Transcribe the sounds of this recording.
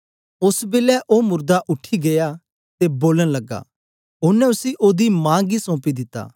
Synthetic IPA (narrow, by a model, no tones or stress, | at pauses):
ʊsbɪlɛʔomʊɾd̪aʔʊʈʰːiɡeja | t̪eboːləɽ̃lɐɡa̰ː | ʊnɛ̃ʊsiʔoːd̪imãːɡisɔ̃ːpid̪ɪt̪ːa̰ː